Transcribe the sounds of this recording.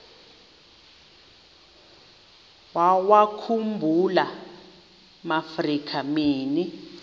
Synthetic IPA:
wawakʰumbʱula | mafrikʰamiːni

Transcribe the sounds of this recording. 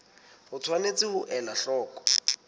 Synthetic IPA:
hʊt͡sʰwanet͡sɪhʊʔɛlaɬɔːkʼɔ̥

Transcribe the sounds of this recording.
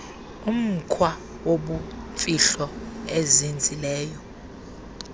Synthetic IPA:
um̩kʰwa | woɓufiɬɔezind͡zʱilɛːjɔ

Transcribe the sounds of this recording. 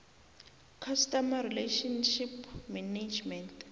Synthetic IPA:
kʰastɔmaɾileʃɔnʃipmɛned͡ʒmɛnt

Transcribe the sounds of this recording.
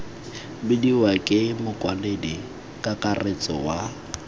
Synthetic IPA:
bɪdiwakʼɪmʊkʼwaledi | kʼakʼaret͡sʼɔ̰wa

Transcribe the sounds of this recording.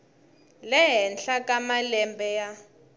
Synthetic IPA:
lɛɦɛnɬakʼamalɛmbɛja

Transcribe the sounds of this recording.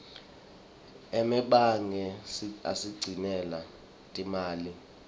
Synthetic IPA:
ɛmɛɓaŋɛa̰siɡ͡ǀʱinɛla | tʼimaːli

